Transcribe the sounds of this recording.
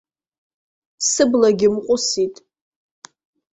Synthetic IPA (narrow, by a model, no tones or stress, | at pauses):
sɨblaɡʲɪmqʷʼʊsitʼ